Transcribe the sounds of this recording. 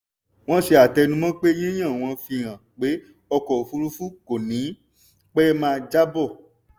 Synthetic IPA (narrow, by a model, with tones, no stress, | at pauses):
w̃ɔ̃˦ʃe˧a˨tɛ˧nũ˧˦mã˦k͡pe˦j̃ĩ˦j̃ã˦˨w̃ɔ̃˧fĩ˧ã˨k͡pe˨˦ | ɔ˧kɔ˨fu˧ɾu˦fu˦ko˨nĩ˨˦ | k͡pɛ˦mãː˦˧d͡ʒa˦bɔ˦˨